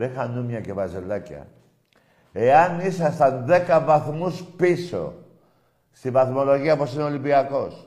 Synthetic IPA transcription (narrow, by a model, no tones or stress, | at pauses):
ɾexanumɲakeβazelaka̰ | eanisast̪and̪ekabaxomuspiso̰ | siβaθmoloɣiaposinolimpiakos